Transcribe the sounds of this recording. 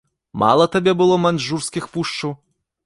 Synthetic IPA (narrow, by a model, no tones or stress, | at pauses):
ma̰lˠɐt̪abʲɛbɨlˠɔmanʐurskʲixpuʂt͡ʂɐw